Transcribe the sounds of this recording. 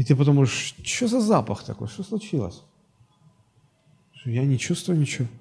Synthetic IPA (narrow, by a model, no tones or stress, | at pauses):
ɪt̪ɨpɐt̪̬omuʐɨʂt͡ɕozɐzapɐxt̪ɐko̞jʂt̪oslˠʊt͡ɕilˠə̰sʲ | ʂt̪ojanʲɪt͡ɕust̪vʊjʊnʲɪt͡ɕɪvo